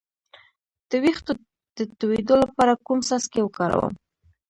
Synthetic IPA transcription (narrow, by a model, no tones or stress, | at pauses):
d̪̥əwixt̪o | d̪̥ət̪uwed̪olapɑɾakumsaskewəkɑɾa̰wə̰m